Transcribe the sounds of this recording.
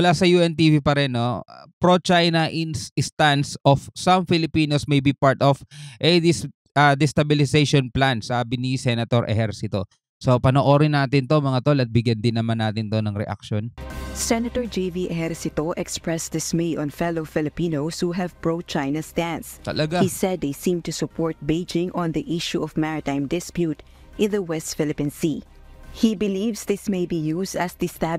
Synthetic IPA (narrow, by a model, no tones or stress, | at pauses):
mʊlaːsɐjuʔɛnt̪iːvipɐɾɛnːopɹot͡ʃajnɐʔɪnsɪst̪ansʔofsɐmfɪlɪpiːnosmɐjbipaɹt̪ofʔɛd̪ɪs | ɐd̪ɛst̪ɐbɪlɪsejʃonplansaːbɪnisɛnɐt̪oɾʔɛ̰hɛɾsɪt̪o̞ | so̞pɐnoːʔo̞ːɾɪnːaːt̪ɪnt̪o̞mɐŋat̪olɐt̪̚bɪɡjɐnd̪ɪnːɐmanːaːt̪ɪnt̪o̞nɐŋɾɛ̰ʔa̰k̚ʃonsɛnɐt̪ɔɹd͡ʒeviʔɛhɛɹsɪt̪oʔɛkspɹɛsd̪ɪsmeɪʔɔ̃nfɛloʊfɪlɪpĩnowshuɦɛvbɹoʊt̪̚t͡ʃajnɐsd̪æ̃nst̪ɐ̰lɐɡaisɛd̪ːejsĩmt̪usʊpʰɔɹt̪̚beɪd͡ʒɪ̃ŋʔɔ̃nd̪iʔiʃuɔfvmaɹɪt̪ãj̃md̪ɪspjut̪ | ʔɪ̃nðɐwɛst̪fɪlɪpĩnsi | hibɪlivsðɪsmejbijusd̪ɐsd̪ist̪æ